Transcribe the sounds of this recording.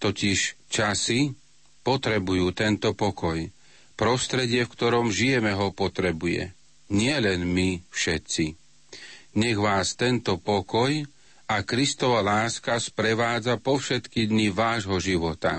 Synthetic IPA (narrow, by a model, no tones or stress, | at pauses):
t̪ɔciʃt͡ʃasi | pɔt̪ɾɛbujuːt̪ɛnt̪ɔpɔkɔj | pɾɔst̪ɾɛɟɪɛfkt̪ɔɾɔmʒijɛmɛɦɔpɔt̪ɾɛbujɛ̰ | ɲɪɛlɛnmifʃɛt̪t͡si | ɲɛɣʋaːst̪ɛnt̪ɔpɔkɔj | akɾist̪ɔʋalaːskaspɾɛʋaːd͡zapɔfʃɛt̪kid̪ɲiʋaːʒɦɔʒiʋɔt̪a̰